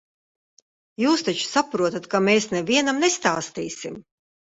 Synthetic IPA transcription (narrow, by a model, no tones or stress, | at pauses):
juːst̪at͡ʃu̥sapɾuɔt̪at̪kameːsnɛviɛnamnest̪aːst̪iːsim